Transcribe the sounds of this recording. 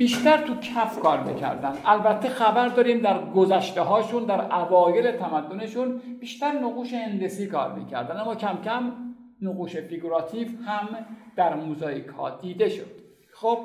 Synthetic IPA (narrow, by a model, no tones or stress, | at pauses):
b̥iːʃt̪æɾt̪ʰukʰæfkʰɒːɾmḭcʰæ̰ɾd̪ænd̪ʔælbæt̪ʰːexæbæɾd̪ɒːɾiːmd̪æɾɡozæʃt̪eɦɒːʃund̪æɾʔævɒːjele̞t̪ʰæmæd̪ːone̞ʃunb̥iːʃt̪æɾnoɣuːʃehend̪esiːkʰɒ̰ːɾmḭːcʰæ̰ɾd̪ænæmːɒːcʰæmcʰæm | noɣuːʃe̞fiɡoɾɒːt̪ʰiːfhæmd̪̥æɾmozɒːikʰhɒ̰ːd̪̥iːd̪e̞ʃod̪̥ | xob̥̚